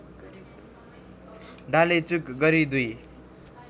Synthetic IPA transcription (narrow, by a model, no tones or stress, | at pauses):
ɖʱalet͡sukɡʌɾid̪uj